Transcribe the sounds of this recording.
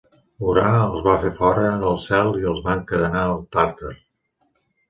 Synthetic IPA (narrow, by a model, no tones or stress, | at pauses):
uɾaəlˠzβafefɔɾəːnəlˠsɛlˠiəlˠzβaŋkəðənaəlˠt̪aɾt̪əɾ